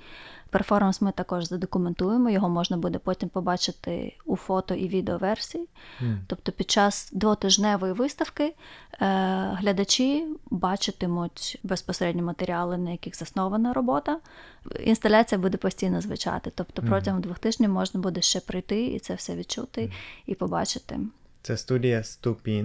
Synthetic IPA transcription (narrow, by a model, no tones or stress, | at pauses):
pɛrfɔrmɐnsmɪt̪ɐkɔʒzɐd̪ɔkʊment̪ujemɔjɔɦɔmɔʒnɐbud̪ɛpɔtʲimpɔbɑt͡ʃɪt̪ɪ̰ufɔt̪ɔʔiʋʲid̪eɔʋɛrsʲijit̪ɔp̚t̪ɔpʲid̪̚t͡ʃɑz̥d̪ʋɔt̪ɪʒnɛʋɔjiʋɪst̪ɐwkɪ | ɦlʲɐd̪ɐt͡ʃibɑt͡ʃɪt̪ɪmʊtʲbespɔseɾɛdʲnʲimɐt̪eɾʲiɑlˠɪnɐjɐkʲixz̥ɐsnɔʋɐnɐɾɔbɔt̪ɐ | ḭnst̪ɐlʲat͡sʲijɐbud̪ɛpɔsʲtʲijnɔzʋɪ̰t͡ʃɑ̰t̪ɪt̪ɔpt̪ɔpɾɔtʲɐɦɔmd̪ʋʊxt̪ɪʒnʲɐmɔʒnɐbud̪ɛʃt͡ʃɛpɾɪjt̪ɪḭt̪sɛwsɛʋʲid̪̚t͡ʃut̪ɪipɔbɑ̰t͡ʃɪt̪ɪ̰t̪sɛst̪udʲijɐst̪upʲi